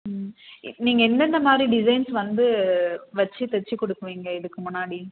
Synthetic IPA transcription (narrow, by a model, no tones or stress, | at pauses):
niːŋɡɐɛnd̪ɛnd̪ɐmaːd̪ɾiɖɪsɐɪnsʋɐnd̪ɯʋɐt͡ʃːɯt̪ɛt͡ʃːɯkɔɽɯkːɯʋiːŋɡɐɪðɯkːɯmʊnːaːɽi